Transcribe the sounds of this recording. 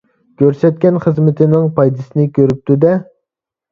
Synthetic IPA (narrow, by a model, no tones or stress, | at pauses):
kʲʰøɾsɛt̪̚kʲɛnχəzmɪt̪ʰɪnɪŋpʰɑjd̪ɨsɨnɪkʲʰøɾyp̚t̪ud̪ɛ